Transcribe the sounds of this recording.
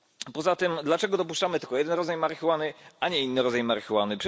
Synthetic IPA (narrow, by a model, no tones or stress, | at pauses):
pɔzat̪ɘmd̪lat͡ʂɛɡɔd̪ɔp̬uʂt͡ʂamɘt̪ɘlkɔjɛd̪ɛnɾɔd̪zajmaɾxʲiwanɘaɲɛinːɘɾɔd̪zajmaɾxwanɘpʂ